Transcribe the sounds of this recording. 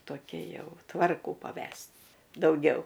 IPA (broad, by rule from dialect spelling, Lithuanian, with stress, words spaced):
toːˈkʲɛ ˈjɛʊ ˈtʋɐrkuː pɐˈʋʲɛsʲtʲ dɐʊˈɡʲɛʊ